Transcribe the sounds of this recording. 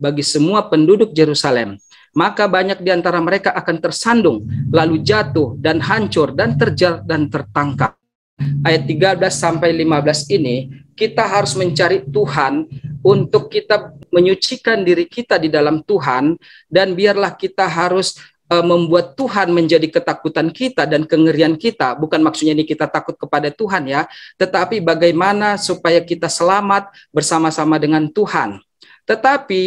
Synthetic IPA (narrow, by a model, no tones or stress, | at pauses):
baɡisəmuapəndudʊk̚d͡ʒeɾusalɛmː | akabaɲak̚diant̪aɾaməɾekaʔːkant̪ərsandʊŋlalud͡ʒat̪ʊhdanɦaɲt͡ʃʊrdant̪ərd͡ʒadant̪ərt̪aŋkap̚ | ʔajat̪ːiɡablasːampajlimabəlasinikit̪aɦaɾʊsməɲt͡ʃaɾit̪uɦanunt̪ʊkːit̪aməɲut͡ʃikandiɾikit̪adidalamt̪uɦan | danbiarlahkit̪aɦaɾʊs | əməmbuat̪ːuɦanməɲd͡ʒadikət̪akut̪ankit̪adankəŋəɾiankit̪abukanmak̚sut̪̚ɲainikit̪at̪akʊt̪̚kəpadat̪uɦanjat̪ət̪apibaɡajmanasupajakit̪asəlamat̪̚ | bərsamasamadəŋant̪uha̰n | t̪ət̪api